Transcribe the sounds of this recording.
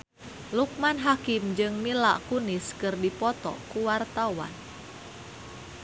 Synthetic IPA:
luk̚manɦakimd͡ʒɨŋmila̰ʔkuniskɨrdipɔt̪ɔ̰kuwart̪awa̰n

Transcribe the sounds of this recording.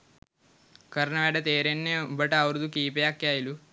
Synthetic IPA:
kɐɾnaːɽɐt̪eːɾenːembɐʈːɐɐʋɾud̪ukiːpɐjaːkːjaːjilu

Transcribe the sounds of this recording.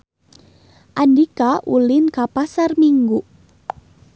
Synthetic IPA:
ʔandikaʔulinkapasarmiŋɡu

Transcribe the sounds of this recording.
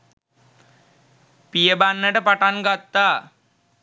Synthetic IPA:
pijəbanːəʈəpaʈaŋɡat̪ːaː

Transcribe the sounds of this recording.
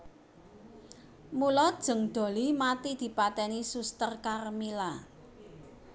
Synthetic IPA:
mulɔd̥ʒ̥ə̤ŋd̪̥o̤limat̪id̪̥i̤pat̪ɛnisust̪ərkarmila

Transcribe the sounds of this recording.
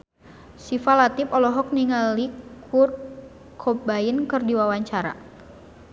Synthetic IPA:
sifalat̪ɪpɔlɔɦɔk̚niŋalikʰur | kʰobaɪnkɨrdiwawaɲt͡ʃaɾa̰

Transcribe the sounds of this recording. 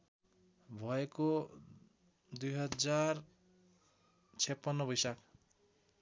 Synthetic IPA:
bʱʌeko | d̪ujɦʌd͡zar | t͡sʰepːʌnːʌbʌjsak

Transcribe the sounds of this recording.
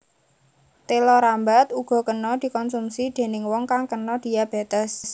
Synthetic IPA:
t̪elɔɾambat̪uɡ̥ɔ̤kənɔd̪̥i̤kɔnsumsid̪̥e̤nɪŋwɔŋkaŋkənɔd̪̥i̤jab̥e̤t̪əs

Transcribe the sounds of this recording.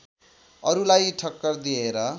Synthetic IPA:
ʌɾulajʈʰʌkːʌrd̪ieɾʌ

